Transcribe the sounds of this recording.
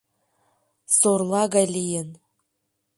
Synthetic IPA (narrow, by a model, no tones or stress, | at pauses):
sorlˠɑɡalʲijɘn